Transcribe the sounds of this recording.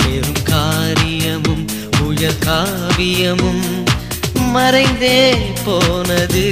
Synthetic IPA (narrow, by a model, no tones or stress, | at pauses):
eːɾɯmkaːɾɪjɐmɯm | ʊjɐɾkaː | bɪjɐmɯm | mɐɾɐɪnd̪eːpoːnɐðɯ